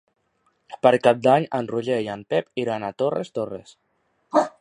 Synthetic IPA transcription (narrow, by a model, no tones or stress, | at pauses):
pəɾkap̚d̪aɲənruʎejanpɛpiɾanat̪orḛst̪orḛs